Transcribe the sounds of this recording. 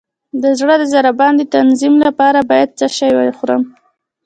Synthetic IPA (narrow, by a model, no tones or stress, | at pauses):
d̪əzɽəd̪əzaɾabɑnd̪et̪anzimlapɑɾabɑjad̪̚t͡səʃajwaxuɾə̰m